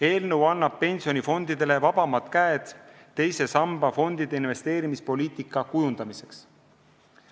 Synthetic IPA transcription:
e̞ːlnɤwɑnːɑb̥̚pe̞nʲsijonʲifo̞nd̪id̪̥e̞le̞vɑb̥ɑmɑt̪kæed̪̥ːe̞jse̞sɑmb̥ɑfo̞nd̪̥id̪̥e̞inve̞st̪e̞ːɾimispo̞lʲiːt̪ˑikˑːɑkujund̪̥ɑmise̞ks

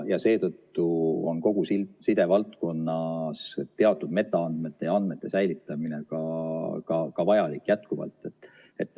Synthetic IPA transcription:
jɑse̞ːt̪ɤt̪ːuo̞̰nko̞ɡ̥usisid̪e̞vɑlt̪ko̞nːɑst̪e̞ɑt̪ːˑud̪me̞t̪ːˑɑɑnd̪̥met̪ːe̞jɑɑnd̪̥me̞t̪ːe̞sæjlit̪ːˑɑmine̞kɑkɑkɑvɑjɑlikːˑjæt̪kuvɑ̰lt̪ːˑe̞t̪ːˑ | e̞t̪ːˑ

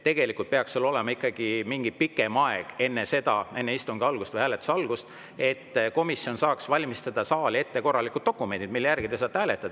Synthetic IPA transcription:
t̪e̞ɡ̥e̞likːˑult̪̚peɑkselːo̞lemɑikːˑɑɡ̥imiŋɡipikːe̞mɑḛɡ̥e̞nːese̞d̪̥ɑe̞nːeist̪umɡ̥iɑlɡ̥ust̪vəjhæːlet̪u̥sɑlɡ̥ust̪ | e̞t̪ːko̞misio̞nsɑːksvɑlʲmist̪ɑd̪̥ɑsɑːlie̞t̪ːe̞ko̞rːɑlikud̪̥̚d̪o̞kːume̞nt̪id̪̥milːejærɡ̥id̪esɑːt̪ːhæːle̞t̪ːˑɑd̥̪ɑ

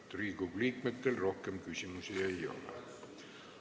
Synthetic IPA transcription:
t̪riːɡuɡliːkmet̪ːelro̞hkemkysʲimusiejo̞̰lḛ

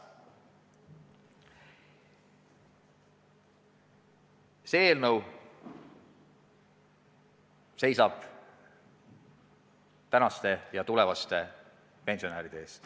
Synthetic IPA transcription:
seeːlnəw | se̞jsɑb̥ | t̪ænɑst̪e̞jɑt̪ule̞vɑst̪e̞ | pe̞nsio̞næːɾid̪̥eeːst̪

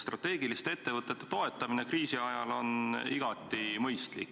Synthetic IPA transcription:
st̪rɑt̪ːˑe̞ːɡilist̪ee̞t̪ːe̞vɤt̪ːˑe̞t̪ːe̞̥t̪o̞e̞t̪ːˑɑminekriːsiɑjɑlo̞niɡ̥ɑt̪ːˑimɤjst̪lḭk

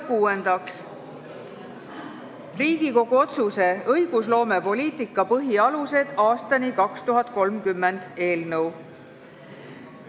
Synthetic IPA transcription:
kuːend̪̥ɑks | riːɡ̥iko̞ɡ̥uo̞t̪suse̞ɤjɡ̥us̬lo̞ːme̞po̞liːt̪ˑikːˑɑpɤɦiɑluse̞d̪̥ɑːst̪ɑnikɑkst̪uɦɑt̪̚ˑko̞lmkymːe̞nd̪̥e̞ːlnɤw

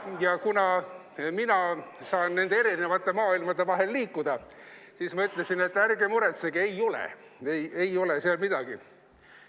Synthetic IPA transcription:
jɑkunɑ | minɑsɑːnːe̞nd̪eeɾinevɑt̪ːe̞mɑːilmɑd̪e̞vɑɦe̞lːiːkːud̪̥ɑ | siːsmɑyt̪ˑlesine̞t̪ːˑærɡe̞muɾe̞t̪seɡ̥ie̞jo̞lḛ | eje̞jo̞leseɑlmid̪̥ɑɡ̥i

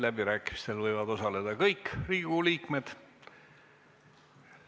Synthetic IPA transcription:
læb̥iɾæːkːˑimist̪e̞lvɤjvɑd̪o̞sɑle̞d̪ɑkɤjkːriːɡ̥uliːkme̞d̪̥

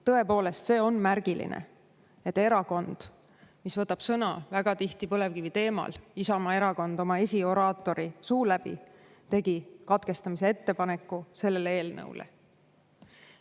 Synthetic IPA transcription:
t̪ɤ̞e̞po̞ːle̞st̪se̞ːo̞nmærɡ̥ilḭnḛ | e̞t̪ːe̞ɾɑko̞nd̪̥ | misvɤt̪ːˑɑb̥sɤnɑ̰væɡ̥ɑt̪iht̪ipɤle̞vkivit̪e̞ːmɑ̰lisɑmɑe̞ɾɑko̞nd̪̥o̞mɑesʲio̞ɾɑːt̪ːˑo̞ɾisuːlæb̥ḭ | t̪e̞ɡ̥ikɑt̪ke̞st̪ɑmis̬e̞e̞t̪ːe̞pɑne̞kːˑuse̞lːe̞lee̞ːlnɤ̰w̰lḛ

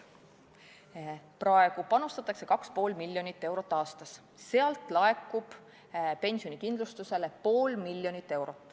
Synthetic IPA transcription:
prɑe̞ɡ̥upɑnust̪ɑt̪ːˑɑkse̞kɑkspo̞ːlmilʲːjo̞nit̪ːˑe̞wɾo̞t̪ˑːɑːst̪ɑs | seɑlt̪ˑlɑe̞kːˑub̥ | pe̞nʲsijo̞nikind̪lust̪use̞le̞po̞ːlmilʲːjo̞nit̪ːˑe̞wɾo̞t̪ːˑ

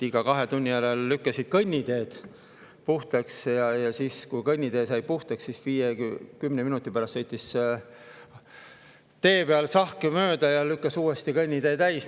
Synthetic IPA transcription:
iɡ̥ɑkɑɦe̞t̪unʲːijæɾelːykːɑsid̪̥̚kɤnʲːid̪̥e̞ːd̪̥ | puht̪ɑksjɑjɑsiːskujkɤnʲːid̪e̞ːsɑjpuht̪ɑksːisviːjekymneminut̪ːˑipæɾɑst̪sɤjt̪ʲːˑis | t̪e̞ːpeɑlsɑhkemø̞ːd̪ɑjɑlykːɑsuːest̪ikɤnʲːid̪e̞ːd̪æjs

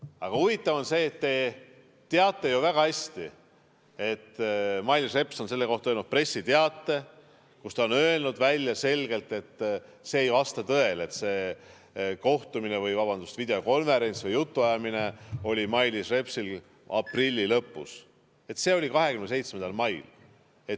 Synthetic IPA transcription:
ɑɡ̥ɑuvit̪ːˑɑvo̞nse̞ːt̪ːe̞ | t̪eɑt̪ˑːe̞juvæɡ̥ɑhæsʲt̪i | e̞t̪ːmɑjlisre̞pso̞nse̞lːe̞ko̞ht̪ɑølnud̪̚pre̞sːit̪eɑt̪ˑːe̞ | kust̪ɑonø̞e̞lnud̪̥vælʲjɑse̞lɡ̥e̞lt̪e̞t̪ːˑse̞ːjvɑst̪ɑt̪ɤ̞e̞le̞t̪se̞ː | ko̞ht̪uminevɯjvɑb̥ɑnd̪ust̪vid̪eo̞ko̞nve̞ɾe̞nt̪svɤjut̪ːuɑjɑmine̞o̞lʲimɑjlisre̞psil | ɑ̰prilʲːilɤpːˑus | e̞t̪ːse̞ːo̞lʲikɑɦe̞kymnese̞jt̪smend̪ɑlmɑjl | e̞t̪

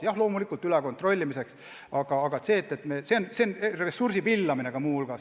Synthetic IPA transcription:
jɑhlo̞ːmulikːˑult̪yleko̞nt̪ro̞lʲːimise̞ks | ɑɡ̥ɑːɡ̥ɑt̪se̞ːt̪ːˑe̞t̪meseonseneresːursipilːɑmine̞ɡ̥ɑmuːulɡ̥ɑ

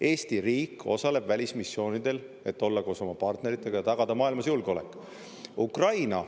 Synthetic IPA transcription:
e̞ːst̪iɾiːkːˑo̞sɑle̞b̥vælʲismisːjo̞ːnid̪̥e̞l | e̞t̪ːˑo̞lːɑko̞ːso̞mɑpɑrt̪ne̞ɾit̪ːˑe̞ɡ̥ɑjɑt̪ɑɡ̥ɑd̪ɑmɑːilmɑsjulɡeo̞lekːˑ | ukrɑjnɑ

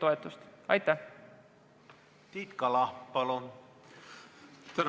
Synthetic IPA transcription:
t̪o̞et̪ːˑust̪ɑ̰jt̪ːæh | t̪iːt̪kɑlɑpɑlun | t̪æn

